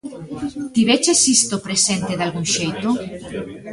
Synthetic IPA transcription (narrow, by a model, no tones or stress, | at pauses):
t̪iβet͡ʃesist̪opɾesẽnt̪eðalɣuŋʃejt̪o